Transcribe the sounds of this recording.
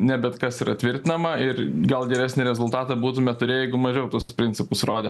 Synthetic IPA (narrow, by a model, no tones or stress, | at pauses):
nʲɛbʲɛt̪kɐsiɾɐtʲʋʲɪɾʲt̪ʲɪnɐmɐɪrɡɐlˠɡʲɛɾʲæːsʲnʲɪɾʲɛzʊlˠt̪ɑːt̪ɑbuːt̪ʊmʲɛt̪ʊɾʲeːjɛɪɡʊmɐʒʲɛʊt̪uɔsspʲɾʲɪnʲt͡sʲsʲɪpʊsroːd̪ʲɛ